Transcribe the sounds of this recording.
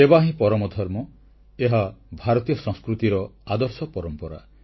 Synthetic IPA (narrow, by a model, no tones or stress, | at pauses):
ebaɦĩpɔɾɔmɔd̪ʱɔɾmɔ | eɦabʱaɾɔt̪ijɔsɔ̃ŋskɾut̪iɾɔad̪ɔɾsɔpɔɾɔmpɔɾa̰